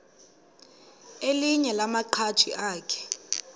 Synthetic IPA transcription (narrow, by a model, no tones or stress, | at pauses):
eliɲɛlamaǃʰat͡ʃʰiʔaːkʰɛ̥